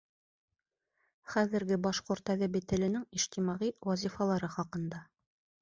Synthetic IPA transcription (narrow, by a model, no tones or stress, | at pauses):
χæðɘ̆ɾɡɘbɑʃqŏɾt̪æðɘbɘ̆t̪ɘ̆lɘ̆nɘŋiʃt̪imɑʁiwɑzʲifɑlˠɑɾɤχɑqɤ̆nd̪ɑ